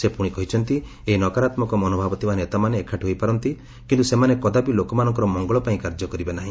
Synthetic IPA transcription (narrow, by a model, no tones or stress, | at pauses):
sepuɽ̃ikɔɦit͡ʃʰɔnt̪i | einɔkaɾat̪mɔkɔmɔnobʱabɔt̪ibanet̪amaneːkʰaʈɦojpaɾɔnt̪i | kint̪usemanekɔd̪abilokɔmanɔ̃ŋkɔɾɔmɔŋɡɔɭɔpaĩkaɾd͡ʒɔkɔɾibenaɦĩ